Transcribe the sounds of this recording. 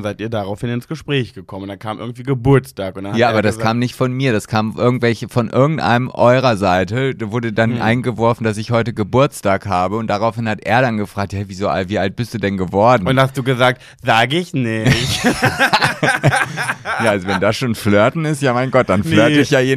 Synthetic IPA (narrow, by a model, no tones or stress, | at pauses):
zaɪtiːɐdaʁaʊfhɪnɪnsɡ̥əʃpʁ̥ɛːçɡ̥əkʰɔməntd̥ankʰaːmʔɪɐɡŋ̩tv̥iːɡəbʊɐt͡staːkʊnd̥ajaːʔaːbɐdaskʰaːmnɪçtfɔnmiːɐɾaskʰaːmʔɪɐɡŋ̩tv̥ɛlçəfɔnʔɪɐɡŋ̩tʔa̰ɪnəmʔɔʏʁɐzaɪtədavʊɐdədanʔa̰ɪnɡəvɔɐfn̩dasɪçhɔʏtəɡəbʊɐt͡staːkhaːbəʊnt̚d̥aʁaʊfhɪnhatʔḛːɐɾanɡəfʁ̥aːk̚haviːzoːʔa̰ltv̥iːʔalt̚b̥ɪstd̥uːdɛnɡəvɔɐdn̩ʊnthastd̥uːɡəzaːk̚t | zaːɡəɪçnɪç | jaːʔalzovɛndasʃoːnfløɐtn̩ɪstjaːmaɪnɡɔt̚d̥anfløɐtəɪçjaːeːn